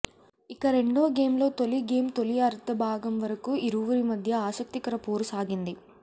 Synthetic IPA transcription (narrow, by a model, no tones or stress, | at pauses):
ikɐɾe̞ɳɖoːɡe̞ːmlo̞ːt̪o̞liɡeːmt̪o̞liɐɾt̪ɐbʱaːɡɐmʋɐɾɐkuiɾuʋuɾimɐd̪ʱjɐaːsɐk̚t̪ikɐɾɐpoːɾusaːɡind̪i